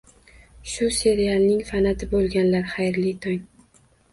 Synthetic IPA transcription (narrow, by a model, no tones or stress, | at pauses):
ʃʊse̞ɾialˠnɪŋfanat̪ʰɪbolˠɡʲanlaɾχajɾlɪt̪ʰɒŋ